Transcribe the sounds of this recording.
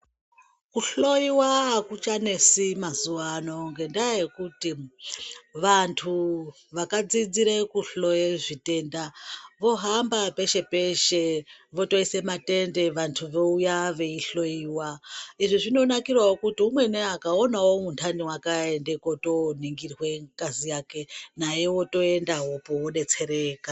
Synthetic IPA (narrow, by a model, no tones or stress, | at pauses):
kuɬo̞iwaːkut͡ʃane̞simazuʋano̞ŋɡe̞ndajekuti | ʋantʰu | ʋakad͡zid͡ziɾekuɬo̞jeʐite̞ːndaʋo̞ɦambape̞ʃe̞pe̞ʃeʋo̞to̞ise̞mate̞nde̞ʋantʰuʋe̞ujaʋe̞iɬo̞iwaiʐiʐino̞nakirwawokutiumwe̞neakaonawomuntʰandiwakaende̞ko̞to̞niŋɡirwe̞ŋkazijake̞najewo̞to̞e̞ndaɦopowoɗe̞t͡se̞ɾeːka